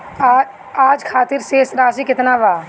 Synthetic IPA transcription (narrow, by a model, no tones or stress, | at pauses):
aːd͡ʒkʰaːt̪ɪɾseːsɾaːsikɪt̪naʋaː